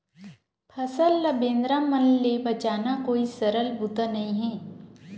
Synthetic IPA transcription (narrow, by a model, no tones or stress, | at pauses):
pʰɐsəlːɐbẽːnd̪ɾamɐnːebɐt͡ʃaːnakoːisɐɾəlbʊt̪anɐɦĩɦɛ̃ː